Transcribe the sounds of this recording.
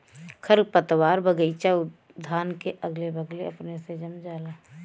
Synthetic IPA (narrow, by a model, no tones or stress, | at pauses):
kʰəɾpət̪waːɾbəɡəit͡ʃaʊ | d̪ʱaːnkeʔəɡlebəɡleɐpnesed͡ʒəmd͡ʒaːlaː